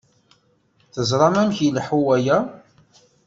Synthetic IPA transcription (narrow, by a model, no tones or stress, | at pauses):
θəzˤɾˤɑmæmçilħuwæjæ